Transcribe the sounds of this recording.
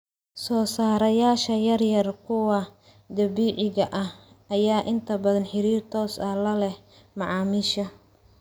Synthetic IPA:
sɔːsaːɾɐjaːʃɐjɐrjɐrkʰʊwɐ | d̪ɐβiːʕɪɣɐʔɐh | ɐjaːʔɪnt̪ʰɐbɐðɐnħɪɾiːrt̪ʰɔːsɐlɐlɛh | mɑʕɑːmɪʃɐ

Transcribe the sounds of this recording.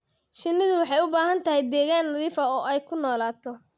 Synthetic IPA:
ʃɪnːɪðʊwɑħɑjʊbaːɦɐnt̪ʰɐɦɛjd̪ɛːɣaːnnɐðiːfɐɔːʔɛjkʰʊnɔːlaːt̪ʰɔ

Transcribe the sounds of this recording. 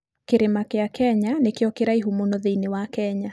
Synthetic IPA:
keɾemakeakɛɲanekeɔkeɾaiɦumonoðeinewakɛɲa

